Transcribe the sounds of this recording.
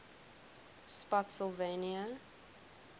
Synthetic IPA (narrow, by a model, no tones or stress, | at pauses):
spɔtsəlˠveniə